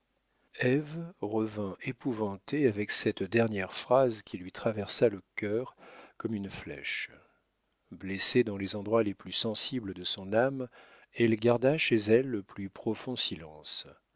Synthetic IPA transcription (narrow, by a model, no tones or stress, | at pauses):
ɛvʁəvɛ̃ʔepuvɑ̃t̪eavɛksɛt̪d̪ɛʁnjɛʁfχazkʲilɥit̪χavɛʁsaləkʲœʁkɔmynflɛ̰ʃ | blesed̪ɑ̃lezɑ̃d̪ʁwaleplysɑ̃sibləd̪əsɔ̃nam | ɛlɡaʁd̪aʃezɛlːəplypχɔfɔ̃silɑ̃s